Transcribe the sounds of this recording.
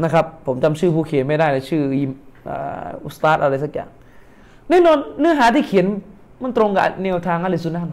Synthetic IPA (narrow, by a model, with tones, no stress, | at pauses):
na˦˥kʰa˦˥pʰːo˩˦mt͡ɕa˧mt͡ɕʰɯː˥˩pʰuː˧˩kʰi˨˩˦ənma˥˩jdaː˥˩jla˧˩t͡ɕʰɯː˥˩ji˧˩mʔa̰ː˨˩ʔu˧˩st̪aː˦˥t̪̚ʔa˧ɾa˧js̬a˧k̚ja̰ː˨˩ŋ | nɛː˦˧˥nɔː˧nːɯ˦˥ɐɦaː˨˩˦t̪ʰiː˥˩kʰi˨˩˦n | ma˧˥˩nt̪ɾo˧ŋka˧˩˨nɛː˧˨wt̪ʰaː˧ŋʔa˧˥˨la˧˩su˧nʔa˧˥˩n